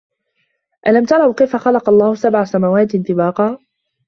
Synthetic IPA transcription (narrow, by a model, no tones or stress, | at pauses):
ʔalamt̪ɑɾˤɑwkajfaxɑlɑqɑlˤːɑːhʊsabʕasamawaːt̪nt̪ɪbɑːqɑː